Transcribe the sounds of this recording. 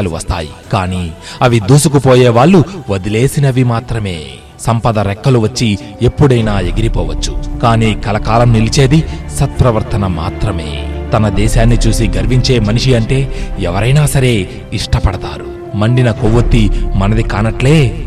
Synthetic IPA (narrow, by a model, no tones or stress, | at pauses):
luʋɐst̪aːjikaːniːɐʋid̪uːsukupoːjeːʋaːɭːuʋɐd̪ile̞ːsinɐʋimaːt̪ɾɐme̞̰ː | sɐmpɐd̪ɐɾɛkːɐluʋɐt͡ʃːi | epːuɽɐjnaːe̞ɡiɾipɔːʋɐt͡ʃːu̥kaːniːkɐlɐkaːlɐmnilit͡ʃe̞ːd̪isɐt̪̚pɾɐʋɐɾt̪ɐnɐma̰ːt̪ɾɐme̞̰ːt̪ɐnɐd̪ɛːʃaːnːit͡ʃuːsiɡɐɾʋiɲt͡ʃe̞ːmɐniʂiɐɳʈe̞ːɛʋɐɾɐjnaːsɐɾe̞ː | iʂʈɐpɐɽɐt̪a̰ːɾu | mɐɳɖinɐkoʋɐt̪ːimɐnɐd̪ikaːnɐʈle̞ː